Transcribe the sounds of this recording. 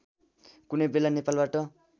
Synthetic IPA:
kunʌjbelanepalbaʈʌ

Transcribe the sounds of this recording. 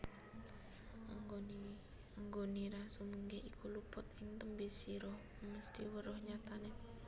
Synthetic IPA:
aŋɡoniɾasumuŋɡaikʰulupʊt̪ɪŋt̪əmbisiɾɔh | məst̪iwərɔhɲat̪anɛ

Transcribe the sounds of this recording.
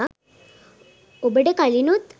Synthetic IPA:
obəɖekalinut̪

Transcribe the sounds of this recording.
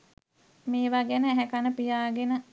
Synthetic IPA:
meːʋaɡenəæɦɛkanəpijaːɡenə

